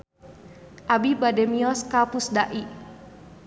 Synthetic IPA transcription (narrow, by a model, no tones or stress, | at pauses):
ʔabibadɛmiɔskapusdaʔi